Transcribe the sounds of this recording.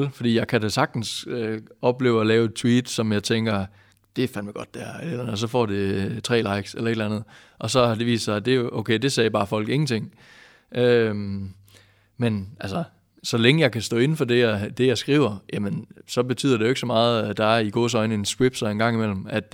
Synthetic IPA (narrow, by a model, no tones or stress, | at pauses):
lfɒ̽d̥ḭːjɑ̈ɪkʰæd̥æsɑ̈ɡ̥̚d̥n̩søɒ̽b̥le̝ːʊɒlɛːʊed̚t͡sʰwiːd̥sɒ̽mjɑ̈ɪt͡sʰeŋɡ̥ɐ | d̥e̝fænʋeɡ̥ɒ̽d̥ːæɐ̰ens̬ɒ̽fɒ̰ːd̥et͡sʰʁɛ̰ːlɑ̈ɪ̰ɡ̥selɐe̝ɾ̥lænð̩ˠ | ʔɒ̽sɒ̽d̥e̝ʋḭːssɑ̈ɪd̥e̝oʊkʰeɪd̥e̝sɛːb̥ɑ̈ːfɒ̽l̰ɡ̥e̝ŋn̩t͡sʰe̝ŋ̰ | ʔøm | menʔælsɐ | sɒ̽leŋəjɑ̈ɪkʰæsd̥ɔ̰ːe̝n̩fɒ̽d̥e̝æd̥e̝jɑ̈ɪsɡ̥ʁḭːʊɐjæmənsɒ̽b̥e̝t͡sʰy̰ð̰ˠɐd̥e̝oeɡ̥əsɒmɑ̈ːð̞̩ˠæd̥ɑ̈æɐiɡ̥o̝̰ːs̬ɒ̽ɪnəe̝nsɡ̥wib̥sɒe̝nɡɑ̈ŋ̰imel̰m̩æd̥